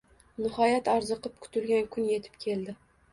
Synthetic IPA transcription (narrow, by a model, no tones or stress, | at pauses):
nɪhɒjat̪aɾzɨqɨp̚kʰʊ̥t̪ʰɪlɡʲankʰʊnje̞t̪ʰɪ̥p̚kʲʰe̞ld̪ɪ